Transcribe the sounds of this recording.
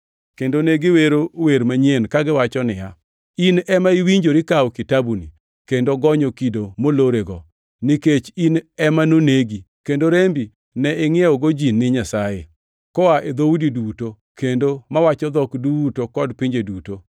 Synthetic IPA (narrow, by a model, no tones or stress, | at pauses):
kendoneɡɪweɾoweɾmaɲenkaɡɪwat͡ʃɔnɪja | inɛmaiwiɲd͡ʒoɾɪkawkɪtabunḭ | kendoɡɔɲokidomoloɾeɡɔ | nɪket͡ʃinɛmanoneɡi | kendoɾembi | nɛɪŋɪɛɔɡod͡ʒinːɪɲasaje | kɔaʔed̪oudiduto | kendomawat͡ʃɔd̪ɔkdutokɔdpɪɲd͡ʒeduto